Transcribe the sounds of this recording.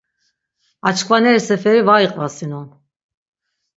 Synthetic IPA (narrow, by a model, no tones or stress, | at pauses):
at͡ʃʰkʰvanɛɾisɛfɛɾivaiqʼvasinun